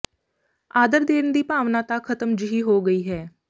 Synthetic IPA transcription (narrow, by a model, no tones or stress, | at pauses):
aːd̪əɾd̪eːnd̪iːpaːʋnaːt̪aːkʰət̪əmd͡ʒɪɦiːɦoːɡəiːɦɛː